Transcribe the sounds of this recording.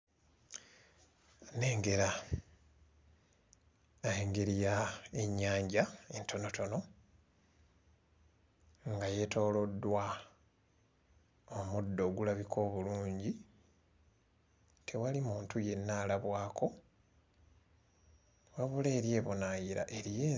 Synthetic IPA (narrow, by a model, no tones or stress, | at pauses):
ne̞ːŋɡe̞ɾa | aeŋɡe̞ɾijaeɲːaːɲɟaentʰo̞no̞to̞no̞ | ŋɡaje̞to̞ːlo̞dːwa | omudːo̞ɡulaβikʰo̞ːβuluːɲɟi | tʰe̞walimuːntuje̞nːalaβwaːkʰo̞ | waβuleːɾje̞ːβonajiɾa̰ʔe̞ɾije